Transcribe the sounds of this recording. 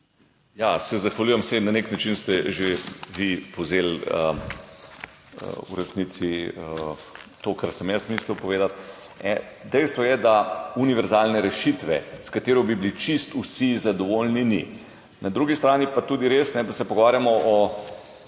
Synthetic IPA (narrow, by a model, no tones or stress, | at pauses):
jasɛzaxʋalʲuːjɛmsɛnaneknat͡ʃinst̪ɛʒeʋipowzeːlə̰ | ə̰ṵɾɛsniːt̪siə | t̪okaɾsɛmjɛsmislupɔʋeːd̪at̪̚ | nɛ | d̪ɛjst̪ʋɔjɛd̪auniʋɛɾzaːlnɛɾɛʃit̪ʋɛskat̪eːɾɔbiblit͡ʃist̪usizad̪ɔʋolnini | nad̪ɾuɡist̪ɾaːnipat̪uːd̪iɾesnɛd̪asɛpɔɡoʋaːɾjamɔʔɔ